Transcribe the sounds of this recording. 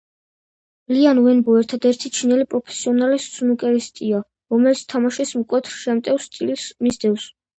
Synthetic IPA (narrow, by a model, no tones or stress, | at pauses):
lianvɛnbɔɛɾt̪ʰad̪ɛɾt̪ʰit͡ʃʰinɛlipʼɾɔpʰɛ̥siɔnalist̪sunukʼɛɾist̪ʼia | ɾɔmɛlit̪sʰt̪ʰamaʃismkʼwɛt̪ʰɾʃɛmt̪ʼɛfst̪ʼilsmizd̪ɛvs